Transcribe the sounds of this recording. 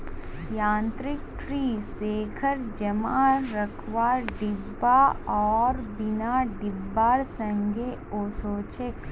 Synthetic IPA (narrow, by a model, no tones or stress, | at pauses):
jãːnt̪ɾɪk̚ʈɾiːseːkʰəɾd͡ʒɐmaɾɐkʰʋaːɖɪbːaɔːɾbɪnaɖɪbːaːɾsɐ̃ŋɡeoːsoːt͡ʃek